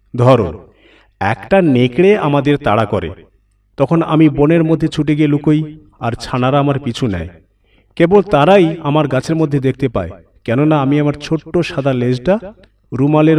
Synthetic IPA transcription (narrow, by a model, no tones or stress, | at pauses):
d̪ʱɔɾo̰ | ɛ̰kʈanekɽeamad̪eɾt̪aɽakɔɾḛ | t̪ɔkʰona̰miboneɾmod̪ʱːet͡ɕʰuʈ̬eɡielukoj | aɾt͡ɕʰanaɾaamaɾpit͡ɕʰunɛ̰j | kebolt̪aɾajamaɾɡat͡ɕʰeɾmod̪ʱːed̪ek̚ʰt̪epa̰e | kɛnonaamiamaɾt͡ɕʰoʈːoʃad̪ʱaled͡ʑʈa | ɾumaleɾ